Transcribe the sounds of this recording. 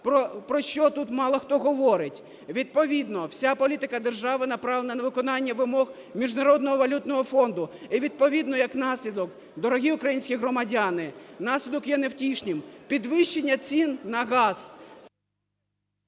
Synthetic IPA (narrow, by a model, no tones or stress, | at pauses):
pɾɔpɾɔʃt͡ʃɔt̪ut̪mɑlˠɐxt̪ɔɦɔʋɔɾɪtʲ | ʋʲid̪̚pɔʋʲid̪nɔwsʲapɔlʲit̪ɪkɐd̪erʒɑʋɪnɐpɾɑʋlˠenɐnɐʋɪkɔnɑnʲːɐʋɪmɔɣ | mʲiʒnɐɾɔd̪nɔɦɔʋɐlʲut̪nɔɦɔfɔnd̪ʊiʋʲid̪̚pɔʋʲid̪nɔjɐknɑsʲlʲid̪ɔk | d̪ɔɾɔɦʲiukɾɐjinʲsʲkʲijɦɾɔmɐdʲanɪnɑsʲlʲid̪ɔkjɛnewtʲiʃnʲɪmpʲid̪ʋɪʃt͡ʃːenʲːɐt͡sʲinːɐɦɑz̥